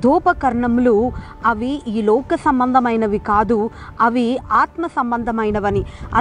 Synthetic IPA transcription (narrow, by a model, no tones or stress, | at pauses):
d̪ʱuːpɐkɐɾɐɳɐmluː | ɐʋiiːlɔːkɐsɐmbɐnd̪ʱɐmɐjnɐʋikaːd̪uɐʋiaːt̪mɐsɐmbɐnd̪ʱɐmɐjnɐʋɐniɐ̰